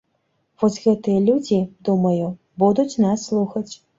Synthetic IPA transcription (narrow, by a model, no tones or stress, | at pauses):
vɔsʲɣɛt̪ɨjɐlʲud͡zʲid̪umɐju | bud̪ut͡sʲnasːlˠuxɐt͡sʲ